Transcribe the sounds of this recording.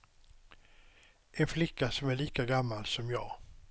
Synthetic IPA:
ɛnflɪkːasɔmæɭiːkaɡamːalsɔmjɑːɡ

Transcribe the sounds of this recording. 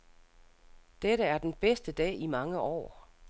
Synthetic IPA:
d̥eɾəæɐd̥enb̥esd̥əd̥ɛ̰ːimɑ̈ŋəʔɒ̰ː

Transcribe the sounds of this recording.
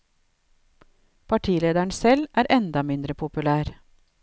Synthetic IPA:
pʰɑʈʰiːleːd̪æɳsɛlʔæːɾʔɛnd̪ɑmɪnd̪ɾəpʰʊpʉlæːɾ

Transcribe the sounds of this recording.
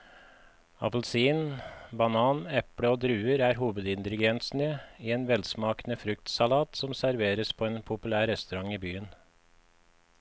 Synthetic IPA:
ɑ̰pl̩siːnbɑnɑːnɛpɽəoːd̪ɾʉːəɾæːɾɦuːʋəd̪ɪnt̪əlɪɡɛnsn̩əiːeːnʋɛlsmɑːknəfɾʉkt̪sɑlɑːt̪sɔmsæɾʋeːɾəspʰoːeːnpʰʊpʉlæːɾɛst̪ʉɾɑŋiːbyːən

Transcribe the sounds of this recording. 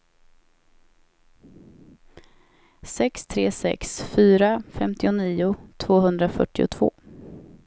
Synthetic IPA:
sɛkst̪ʰɾeːsɛ̰ksfyːɾafɛmt̪ɪʊniːʊt̪ʰv̥oːɦɵnd̪ɾafœʈːɪʊ̰t̪ʰv̥o̰ː

